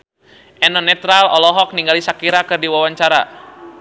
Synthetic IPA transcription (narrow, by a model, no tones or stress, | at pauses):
ʔɛnɔnɛt̪ɾalɔlɔɦɔk̚niŋɡalisakiɾakɨrdiwawaɲt͡ʃaɾa